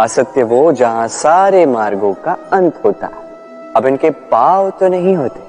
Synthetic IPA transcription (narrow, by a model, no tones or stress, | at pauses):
aːsət̪jəʋod͡ʒɐɦãsaːɾemaːɾɡõkaɐ̃nt̪ʰɦoːt̪a̰ɦɛ | ɐbɪnkepaːʋt̪onɐɦĩɦoːt̪e̥ː